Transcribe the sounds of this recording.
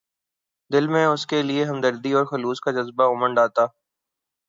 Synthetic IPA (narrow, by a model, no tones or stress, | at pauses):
d̪ɪlmẽʊskelieɦɐmd̪əɾd̪iɔːɾxʊluːskad͡ʒəzbaʊməɳɖaːt̪aː